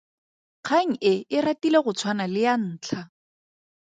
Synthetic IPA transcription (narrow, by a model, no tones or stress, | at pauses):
q͡χʰaŋ̩ʔɪɪratileɣʊt͡sʰwanalɪjan̩ːt͡ɬʰa